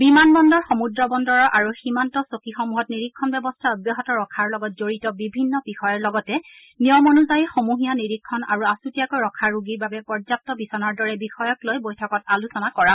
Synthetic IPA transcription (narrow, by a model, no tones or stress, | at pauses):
bimanbɔndɔɹxomudɹɔbɔndɔɹɔʔaɹuximantɔsokixɔmuɦɔtniɹikʰːɔnbɛbɔstʰaɔbjɔɦɔtɔɹɔkʰaɹlɔɡɔtzoɹitɔbibʱinːɔbixɔjɔɹlɔɡɔtɛ | nijɔmɔnuzajixomuɦijaniɹikʰːɔna̰ɹuasutijakojɹɔkʰaɹuɡiɹbabɛpɔɹzap̚tɔbisɔnaɹdɔɹɛbixɔjɔklojbojtʰɔkɔtalusɔnakɔɹa